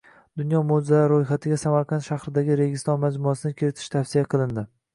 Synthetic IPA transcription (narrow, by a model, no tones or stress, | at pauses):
d̪ʊnjɒmod͡ʒɪzalaɾːojχat̪ʰɪɡʲasamaɾqʰɑnt̪ʃaχɾɪd̪aɡʲɪɾe̞ɡʲɪst̪ɒnmad͡ʒmʊasɪnɪkʲʰɪɾɪt̪ʰɪ̥ʃt̪ʰafsijaqʰɨlˠɪnd̪ɪ